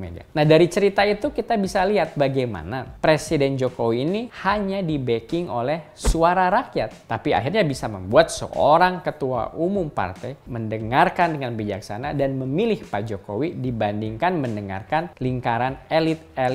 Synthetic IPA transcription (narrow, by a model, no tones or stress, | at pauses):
mḛdia̰nahdaɾit͡ʃəɾit̪ait̪ukit̪abisaliɦat̪̚baɡajma̰napɾesidɛnd͡ʒokowiːnihaɲadibekɪŋolɛhsuaɾaɾakjat̪ːapia̰ɦirɲabisamə̰mbuat̪̚sə̰ʔo̰ɾaŋkət̪ua̰ʔumʊmpa̰rt̪ɛjməndəŋarkandəŋanbid͡ʒaksa̰nadanməmilɪhpad͡ʒokowidibandiŋkanməndəŋa̰rkanliŋkaɾanelɪt̪̚el